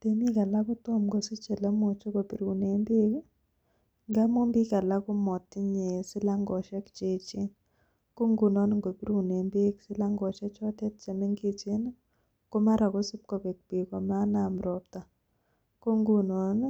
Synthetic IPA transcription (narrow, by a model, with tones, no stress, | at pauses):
te˨mi˦ka˨la˦kʊ˦to˦mɡo˨si˦t͡ʃɛ˨la˦mo˨t͡ʃo˦ko˨pi˨ɾu˨ne˨mbe˦k | ŋɡa˦mo˦mbi˦ka˨la˦kʊ˦mɔ˨tːɪ˦ɲe˨sɪ˦la˦ŋɡɔ˨ʃɛ˦kt͡ʃe˨t͡ʃɪ˦n | ko˦ŋɡu˨nɔ˦n˦ŋɡo˨pi˦ɾu˨ne˨mbe˦ksɪ˦la˦ŋɡɔ˨t͡ʃɛ˦t͡ʃɔ˦tɛ˦t̚t͡ʃɛ˨me˦ŋɡi˦t͡ʃe˦n˦ | ko˦ma˦ɾa˨ko˦si˦p̚ko˨pe˨k̚pe˨ko˨ma˦na˨mɾɔ˨p̚ta˨ | ko˦ŋɡu˨nɔ˨n˦